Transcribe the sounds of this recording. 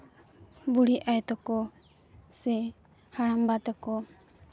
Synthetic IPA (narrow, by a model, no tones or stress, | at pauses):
buɽiajt̪ɔkɔ | sɛ | haɽambat̪ɔkɔ